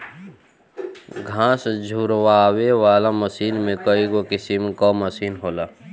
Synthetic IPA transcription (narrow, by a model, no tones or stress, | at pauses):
ɡʱãːsd͡ʒʱuːɾwaːweʋaːlaməsiːnmẽkəiɡokɪsimkɔməsiːnɦoːlaː